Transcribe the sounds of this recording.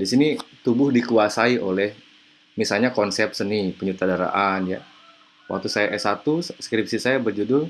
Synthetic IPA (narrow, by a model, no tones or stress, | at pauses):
disinit̪ubʊhdikuasaiʔolɛh | misalɲakɔnsɛp̚sənipəɲət̪adaɾa̰ʔanja̰ | wa̰k̚t̪usajaʔɛsat̪uskɾip̚sisajabərd͡ʒudʊl